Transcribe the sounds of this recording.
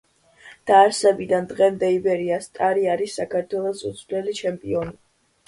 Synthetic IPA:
d̪̥aːɾsɛbid̪and̪ʁɛmd̪ɛibɛɾiast̪ʼaɾiaɾisːakʰaɾt̪ʰwɛlˠɔsṵt̪sʰvlɛlit͡ʃʰɛmpʼiɔni

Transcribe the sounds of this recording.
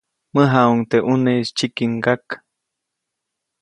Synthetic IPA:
məɦauŋt̪eʔunest͡ʃikiŋɡak

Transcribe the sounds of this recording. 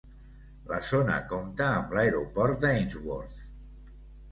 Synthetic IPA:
ləzonə̰komt̪əːmləeɾupɔɾt̪̚d̪əinzwoɾθ

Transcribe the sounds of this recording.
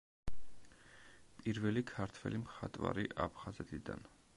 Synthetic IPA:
pʼiɾvɛlikʰaɾt̪ʰwɛlimχat̪ʼwvaɾiʔapʰχazɛt̪ʰid̪a̰n

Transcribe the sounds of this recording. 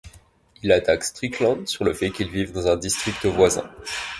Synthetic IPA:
ilat̪akst̪χiklɑ̃d̪syʁləfɛkilvivd̪ɑ̃zɛ̃d̪ist̪χik̚t̪əvwazɛ̰̃

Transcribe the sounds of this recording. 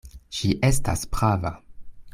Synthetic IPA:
ʃiʔe̞sta̰spʁava̰

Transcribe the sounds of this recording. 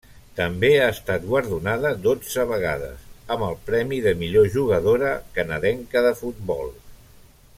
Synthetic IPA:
t̪əmbeaəst̪at̪̚ɡwəɾðunaðəd̪od͡zəβəɣ̞a̰ðə̰səməlˠpɾɛmiðəmiʎoʒuɣ̞əðoɾəkənəðɛŋkəðəfut̪̚bɔ̰lˠ

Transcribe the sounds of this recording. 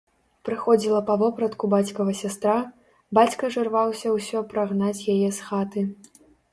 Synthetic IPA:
pɾɨxɔd͡zʲilˠɐpɐvɔpɾɐt̪kubat͡sʲkɐɣɐsʲast̪ɾa | bat͡sʲkɐʐɨrvawsʲɐwsʲɔpɾaɣnat͡sʲjajɛsxat̪ɨ

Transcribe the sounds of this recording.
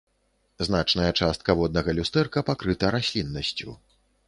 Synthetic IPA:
znat͡ʂnɐjɐt͡ʂast̪̚kɐvɔd̪nɐɣɐlʲust̪ɛrkɐpakɾɨt̪ɐɾasʲlʲinːɐsʲt͡sʲṵ

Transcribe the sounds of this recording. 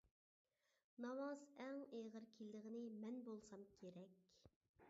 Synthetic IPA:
nɑwɑzɛŋeʁəɾkʲʰilːɪʁɪnɪmɛnbolˠsɑmkʲʰeɾɛkʲ

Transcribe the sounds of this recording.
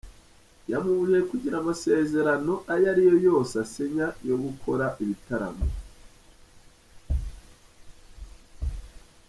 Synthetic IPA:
jamuβuɾjekuɟiɾamase̞ːze̞ɾano̞ʔajaɾijo̞jo̞ːsaseɲajo̞ɡukʰo̞ɾaʔiβitaɾa̰mo̰

